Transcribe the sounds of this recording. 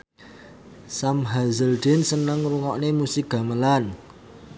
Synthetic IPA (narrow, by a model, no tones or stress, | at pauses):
samɦazəld̪̥ensənəŋruŋɔʔnemusik̚ɡ̥a̤məlan